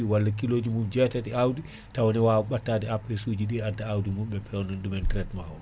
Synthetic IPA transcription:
iwalːakiloːd͡ʒimund͡ʒɛtatiawdi | tawɔnɛwawɔɓatːadɛapːɛsud͡ʒiɗiadaawdimumɓɛpɛɔnɔnɗumɛntɾɛtmawɔ

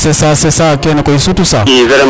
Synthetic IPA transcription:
sesasesakʲenakʷoisutusaiɡɐlɐ

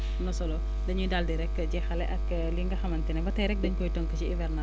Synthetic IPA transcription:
nɔsɔlo | dɐɲidaldiɾɛkːd͡ʒɛxɐlɛʔɐk | liŋɡɐxɐmɐntinɐbɐtɐɾɛk̚dɐɲkɔjtɔŋkɐsiivɛɾna

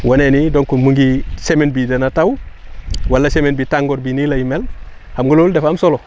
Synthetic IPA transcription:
wonenidonkumuŋɡisemenbidenataw | walːasemenbitaŋɡoɾbinilajimel | hamɡololdefamsolo

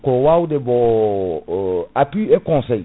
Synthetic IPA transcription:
kowaudebɔ̃ | apɥiekɔ̃sɛj

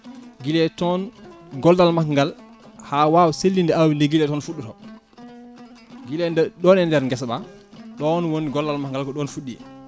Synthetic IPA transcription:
ɡilɛtɔnɡɔldalmaŋɡalhawawselːindɛawindɛɡilɛtɔnfuɗːutɔ | ɡilɛndɛɗɔnɛndɛɾŋɡɛsɓaɗɔnwoniɡɔldalmaŋɡalkɔɗɔnfuɗːḭ

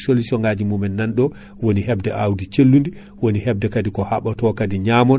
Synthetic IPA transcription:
solisɔŋɡad͡ʒimumɛnːanɗɔ | woniɦɛbdɛʔawdit͡ʃelːundi | wonihɛb̚dɛkadikɔhaɓatɔkadiɲaːmɔn

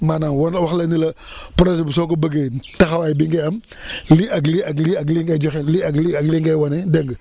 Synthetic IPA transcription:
manawnwaxlanilapɾod͡ʒbs̬okobəɡetaxawaibiŋɡeam | liaɡliaɡliaɡliŋɡad͡ʒoxeliaɡliaɡliŋɡajwanedəŋɡ

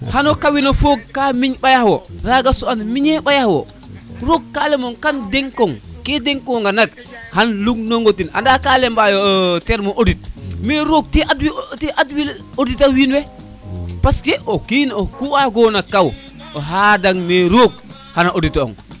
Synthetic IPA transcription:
hanɔkawinofok̚ːamiɲɓajahwɔɾaɡasuanmiɲɛɓajahwɔ̰ | ɾok̚ːalɛmoŋkandɛŋkːɔŋkɛdɛŋkɔŋɡanak̚ | hanluɡ̚noŋɡotina̰ndakalɛmbajɔtɛɾmoʔodit̚meɾok̚tiʔadwitɛʔadwil | oditawinwɛ | paskɛʔokiːnokuaɡonakːaw | oɦadaŋmeɾoɡ̚ | hanaʔoditɔ̰ŋ

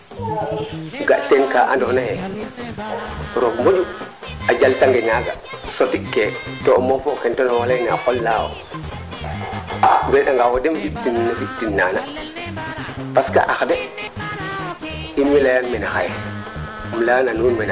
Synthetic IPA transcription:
ɡaʔtenkaʔandɔhnahe | ɾoɡmod͡ʒu | ad͡ʒaltaŋɡeŋaɡa̰ | sotiketomofokɛntonɔwalajnaa̰xɔlːaːwo̰ | bɛɗaŋɡawodemfiktinːafiktinːaːna | paska̰ʔaxde | inmilajanmɛnaxaj | mlananuːnmena

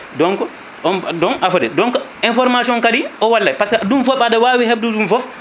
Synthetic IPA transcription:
dɔŋkɔ | ɔndɔnʔafɔdɛdɔŋkɔinfɔɾmasɔɔnkadiʔɔwalːajpaskadumfɔfadawaːwiheb̚dudunfɔf

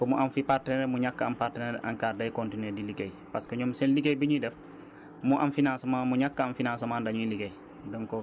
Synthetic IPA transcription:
komuʔanfipartneɾemuɲakːaampaɾtineɾʔa̰ŋkaːɾdajkontineːdiliɡej | paskeɲomsenliɡejbiɲidɛf | muʔa̰mfinãnsmãnmuɲakːaamfinãːnsemaːndaɲuiliɡej | doŋko

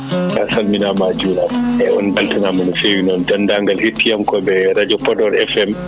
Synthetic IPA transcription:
kasalminamad͡ʒuːlaɛɔ̰nbaltanamanɔfewinɔndandaŋɡalhetːijamkɔbɛɾad͡ʒɔpɔdɔɾɛfɛm

